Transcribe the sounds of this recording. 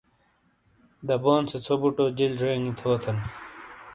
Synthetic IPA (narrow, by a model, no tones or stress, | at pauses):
d̪ɐboːnset͡sʰobuʈoːd͡ʑilʐeːŋit̪ʰoːt̪ʰɐn